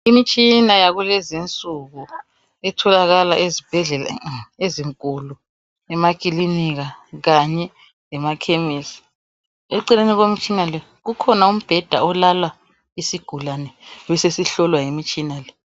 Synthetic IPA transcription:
imit͡ʃʼinajaɣulɛzint͡sʼuɣu | ɛtʰɔlaɣalaʔezib̥ʱɛɮɛla̰eziŋkʼulu | ɛmakiliniɣaɣaɲɛ | lɛmakʰemisi̥ | eǃineniɣwemit͡ʃʼinalɛ | ɣukʰɔnaum̩b̥ʱɛd̥ʱa̰ɔlalwa | isiɡ̥ʱulanɛβɛsesiɬɔlwajimit͡ʃʼinalɛ

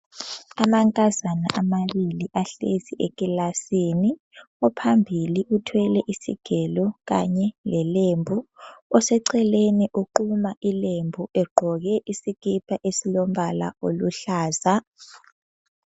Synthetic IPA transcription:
amaŋkʼazana̰ʔamaβiliʔaɬeziʔekʼilasiːni | ɔpʰambʱiliʔutʰwɛlɛʔisḭɡ̥ʱɛlɔɣa̰ɲɛlɛlembʱuɔsɛǀɛleniʔuǃumaʔilembʱuɛɡ͡ǃʱɔɣɛʔisikʼipʰʼaʔesilɔm̩bala̰oluɬaːza

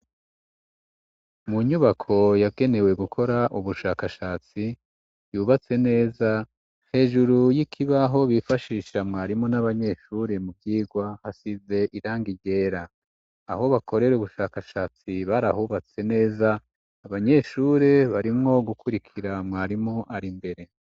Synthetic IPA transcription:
muɲuβakʰo̞jaɡe̞ne̞we̞ɡukʰo̞ɾaʔuβuʃaːkaʃaːt͡si | juːβat͡se̞ne̞ːza | he̞ːʒuɾujikʰiβaɦo̞βifaʃiːʃamŋaːɾimŋo̞naβaɲe̞ʃuɾe̞mubɟiːɡwahasize̞ʔiɾaːŋɡiɟe̞ːɾaː | ho̞βakʰo̞ɾe̞ɾuβuʃaːkaʃaːt͡siβaɾahuːβat͡se̞ne̞ːzaː | βaɲe̞ʃuːɾe̞βaɾimŋo̞ɡukuɾikʰiɾamŋaːɾimoʔaɾimbe̞ɾe̞

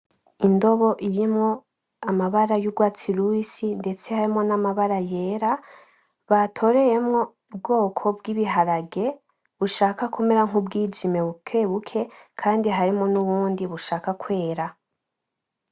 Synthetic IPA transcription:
indo̞βo̞ʔiɾimŋo̞ | amaβaɾajuɡwaːt͡siɾuisinde̞t͡se̞haɾimŋo̞namaβaɾaje̞ːɾa | βatʰo̞ɾe̞je̞mŋo̞ | b̚ɡo̞ːkʰo̞bɡiβiɦaɾaɡe̞ | βuʃaːkakʰume̞ɾaŋ̥ubɡiːd͡ʒime̞βukʰe̞ːβukʰe̞kʰaːndiɦaɾimo̞nuβuːndiβuʃaːkakwe̞ːɾa

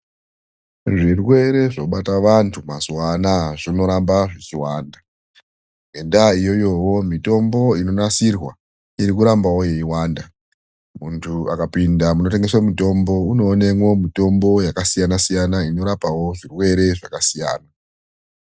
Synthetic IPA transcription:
ʐirwe̞ɾe̞ʐoɓataʋantʰumazwanaʐino̞ɾambaʐet͡ʃiwaːnda | ɡendaijo̞jo̞wo̞mito̞mbo̞ino̞nasirwa | iɾikuɾambawo̞je̞iwaːnda | muntʰuakapindamuno̞te̞ŋɡe̞swamito̞mbo̞uno̞ːnemwo̞mito̞mbo̞jakasijanasijanaino̞ɾapawo̞ʐirwe̞ɾe̞ʐakasija̰ːna

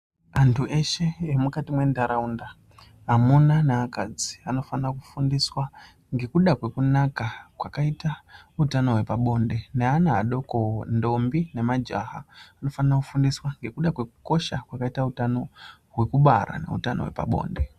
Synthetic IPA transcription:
antʰuʔe̞ʃe̞emukatimwe̞ndaɾaundaː | munaneakad͡zi̥ano̞fanrakufundiswa | ŋɡe̞kuɗakwe̞kunakakwakaita | utano̞ɦwe̞paɓo̞nde̞neanaaɗo̞kondo̞mbine̞mad͡ʒa̰ɦaːno̞fanarakufundiswaŋɡe̞kuɗakwe̞ku̥ko̞ʃakwakaitautano̞ | ɦwe̞kuɓaɾa̰ne̞̰ṵtano̞̰we̞̰pa̰ɓo̞̰ːnde̞

